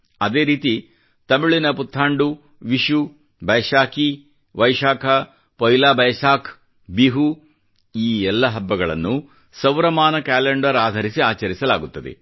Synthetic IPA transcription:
ɐd̪e̞ːɾiːt̪i | t̪ɐmiɭinɐput̪ʰːaːɳɖu | ʋiʃu | bɐjʃaːki | ʋɐjʃaːkʰɐ | pɐjlaːbɐjɐʃaːkʰ | biɦu | iːɛlːɐɦɐbːɐɡɐɭɐ̰nːu | sɐwɾɐmaːnɐkaːleɳɖɐɾaːd̪ʱɐɾisiaːt͡ʃɐɾisɐla̰ːɡut̪ːɐd̪ḛ

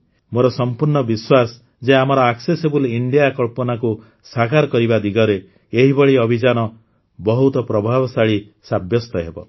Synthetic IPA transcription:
moɾɔsɔmpuɾɳɔbiswas | d͡ʒeamɔɾɔaksesebuliɳɖijakɔɭpɔnaku | sakaɾɔkɔɾibad̪iɡɔɾeː | ɦibɔɭiɔbʱid͡ʒanɔ | bɔɦut̪ɔpɾɔbʱabɔsaɭi | sabjɔst̪ɔɦebɔ̰

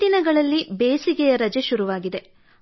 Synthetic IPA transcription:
inɐɡɐɭɐlːibeːsiɡɛjɐɾɐd͡ʒeʃuɾuʋaːɡid̪e̞

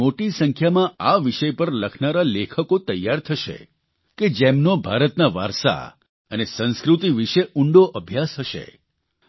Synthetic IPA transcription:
moʈisəŋkʰjamãaʋiʃəjpəɾləkʰnaɾalekʰəkot̪əjːaɾt̪ʰəʃḛ | ked͡ʒemnobʱaɾət̪naʋa̰ɾsa̰ | ənesə̃nskɾut̪iʋiʃeuɳɖoʔəbʱjasɦʰəʃḛ

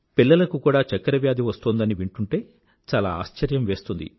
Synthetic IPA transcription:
pilːɐlɐkukuːɽaːt͡ʃɐkːɐɾɐʋjaːd̪ʱiʋɐst̪oːnd̪ɐniʋiɳʈuɳʈe̞ː | t͡ʃaːlaːa̰ːʃt͡ʃɐɾjɐmʋe̞ːst̪und̪ḭ

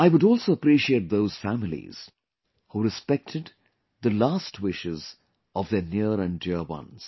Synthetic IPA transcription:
aɪwʊɾɔlˠsoəpɾiʃieːt̚d̪oʊz̥fæmɪlḭz̥ | huːɾɨspɛk̚tʰɨd̪ | ðəlastwɪʃɪz | ʔɔvðənɪɾæ̃ndɪwʌ̰̃nz̥

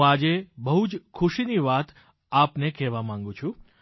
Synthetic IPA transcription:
ad͡ʒebəɦud͡ʒkʰʊʃiniʋat̪ | apnekɛʋamãŋɡũt͡ʃʰũ

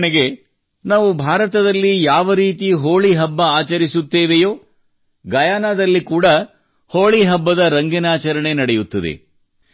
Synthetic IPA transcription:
neɡe | naːʋubʱaːɾɐt̪ɐd̪ɐlːijaːʋɐɾiːt̪iɦoːɭiɦɐbːɐaːt͡ʃɐɾisut̪ːeːʋejo̞ː | ɡɐjaːnaːd̪ɐlːikuːɽɐ | hoːɭiɦɐbːɐd̪ɐɾɐŋɡɛnaːt͡ʃɐɾɐɳe̞nɐɽejut̪ːɐd̪ḛ

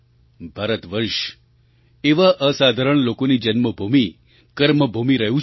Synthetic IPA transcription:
bʱaɾət̪ʋəɾʃ | eʋaʔəsad̪ʱaɾəɳlokonid͡ʒənməbʱumi | kəɾməbʱumiɾəɦũ

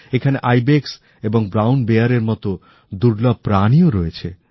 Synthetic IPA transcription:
ekʰaneʔajbeks | eboŋbɾawnbeaɾeɾmɔt̪o | d̪uɾlab̚pɾanioɾɔet͡ɕʰḛ

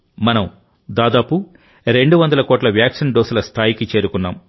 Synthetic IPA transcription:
mɐnɐm | d̪aːd̪aːpu | ɾe̞ɳɖuʋɐnd̪ɐlɐkɔːʈlɐʋjaːkʂinɖoːsulɐst̪ʰaːjikit͡ʃe̞ːɾukunːa̰ːm

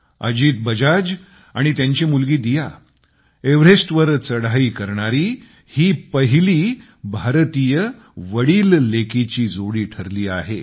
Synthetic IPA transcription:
ə̰d͡ʑiːt̪̚bəd͡ʑad͡ʑ | aɽ̃it̪jaɲt͡ɕimulɡiːd̪ija | eʋɾesʈʋəɾt͡səɽaiːkəɾɳaɾiː | hiːpəɦiliː | bʱaɾt̪iːjə | ʋəɽiːlːekit͡ɕiːd͡zoɽiːʈʰəɾliːa̰ɦe

